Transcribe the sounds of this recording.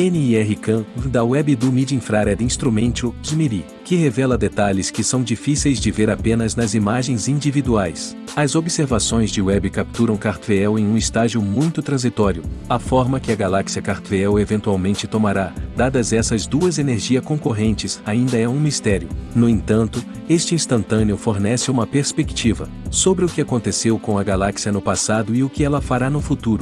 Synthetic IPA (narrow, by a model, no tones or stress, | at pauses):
ẽniɛɦɪkɐ̃d̪ɐwɛbɪd̪umid͡ʒĩfɾaɾɛd̪ĩst̪ɾumẽnt͡ʃʊkimiɾi | kɪɦevɛlɐd̪et̪aʎɪskɪsɐ̃w̃d͡ʒifisejzd͡ʒɪveɾapẽnɐznɐzimaʒẽj̃zĩd͡ʒivid̪uajs | ɐzobiseɾvasõj̃zd͡ʒɪwɛbɪkap̚t̪uɾɐ̃w̃kaɾt̪veɛwẽj̃ũɪst̪aʒiʊmũj̃t̪ʊt̪ɾɐ̃zit̪ɔɾjʊɐfɔɾmɐkɪɐɡalaksiɐkaɾt̪veɛwevẽnt̪uawmẽnt͡ʃɪt̪omaɾad̪ad̪ɐzɛsɐzd̪uɐzeneɾʒiɐskõkoɦẽnt͡ʃɪzaĩnd̪ɐɛũmist̪ɛɾiʊnʊẽt̪ɐ̃nt̪ʊ | est͡ʃɪĩst̪ɐ̃nt̪ɐ̃neʊfoɾnɛsɪũmɐpeɾspekt͡ʃivɐ̰ | sobɾɪʊkɪakõnt̪esewkõw̃ɐɡalaksiɐnʊpasad̪ʊɪʊkɪɛlɐfaɾanʊfut̪uɾʊ